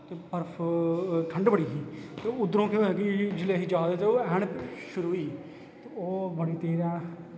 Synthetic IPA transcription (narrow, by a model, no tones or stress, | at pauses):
t̪eːpəɾpʰʈʰəɳɖbəɽiːɦiːt̪eːʊd̪ɾõːkeɛɡid͡ʒɪleːɦiːd͡ʒaːd̪eːt̪eoːɛːɳʃʊɾuːiː | t̪eoːbəɽiːt̪eːɾaː